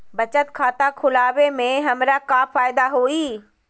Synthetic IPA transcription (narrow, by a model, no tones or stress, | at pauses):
bɐt͡ɕət̪kʰaːt̪akʰʊlaːʋemẽɦɐmɾakaːfaːɪd̪aɦuiː